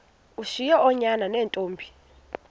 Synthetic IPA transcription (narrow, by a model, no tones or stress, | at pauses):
uʃijɔɔɲananɛːntʼoːmbʱi